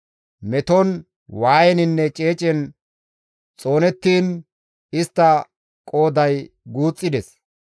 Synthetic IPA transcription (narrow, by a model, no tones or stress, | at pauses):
mɛt̪ɔn | waːjɛnɪnːɛt͡ʃʼe̞ːt͡ʃʼɛn | t͡sʼo̞ːnɛt̪ːiːn | ɪst̪ːɐ | kʼo̞ːd̪ɐjɡuːt͡sʼːɪd̪ɛs